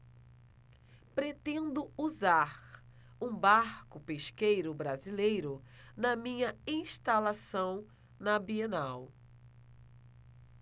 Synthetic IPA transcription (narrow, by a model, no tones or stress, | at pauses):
pɾet̪ẽnd̪ʊuzaɾ | ũbaɾkʊpeʃkejɾʊbɾazilejɾʊ | nɐmĩɲɐĩʃt̪alasɐ̃w̃ | nɐbienaw